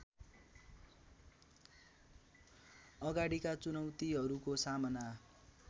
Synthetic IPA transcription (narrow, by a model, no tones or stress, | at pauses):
ʌɡaɽikat͡sunʌwt̪iɦʌɾukosamʌna